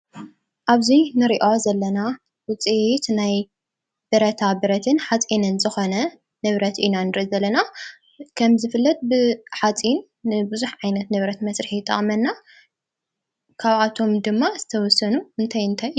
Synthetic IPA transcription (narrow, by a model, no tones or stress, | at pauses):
ʔaβzinɨɾiʔozɐlːɐna | wɔt͡sʼiʔt̪naj | b̥ɨɾɐt̪ʰabɨɾɐt̪ʰɨnħat͡sʼinɨnzɨxo̞nɐ | nɨβɾɐt̪ʔinanɨɾɨzɐlːɐna | kʰɐmzɨfɨlːɐt̪̚bɨtħat͡sʼinː | ɨbɨzuħʕajnɐt̪nɨβɾɐt̪mɐsɾɨħit̪ʼːɐ̰χʼmɐnːa | kʰaβat̪ʰo̞md̪ɨmːaz̥ɨt̪ʰɐwɔsɐnuɨnt̪ʰajɨnt̪ʰaj